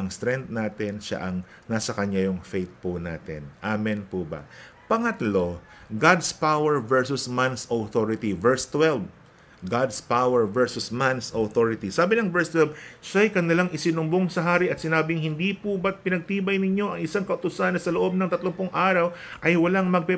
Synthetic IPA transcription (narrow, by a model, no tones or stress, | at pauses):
ɐŋst̪ɾɛnt̪̚naːt̪ɛnʃa̰ʔɐŋ | nasɐkɐɲajʊŋfejt̪̚pʊna̰ːt̪ɛ̰nʔaːmɪnpubɐ̰ | pɐŋɐt̪lo̞ | ɡad̪spawɛɹvɛɹsʊsmansowθoɹɪt̪ivɛɹst̪wɛlv | ɡad̪spawɛɹvɛɹsʊsmansoθoɹɪt̪isaːbɪnɐŋvɛɹst̪wɛlbʃajkɐnɪlaŋɪsɪnʊmboŋsɐɦaːɾɪʔɐt̪sɪnaːbɪŋhɪnd̪ipʊbɐt̪̚pɪnɐɡ̚t̪iːbɐjnɪɲo̞ʔɐŋɪsaŋkɐʔʊt̪ʊsanɐsɐloʔo̞b̚nɐŋt̪ɐt̪loŋpʊŋʔaːɾɐw | ʔɐjwɐlaŋmɐɡ̚pɛ